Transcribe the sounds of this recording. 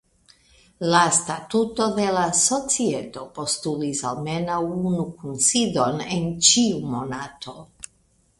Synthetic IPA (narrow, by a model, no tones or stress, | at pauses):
lastatuto̞de̞laso̞t͡sieto̞po̞stulisalme̞nawunukunsido̞nent͡ʃiumo̞natʰo̞